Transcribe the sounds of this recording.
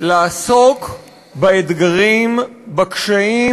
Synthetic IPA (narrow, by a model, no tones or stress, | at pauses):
laːso̞k | baed̪ɡaʁimbakʃai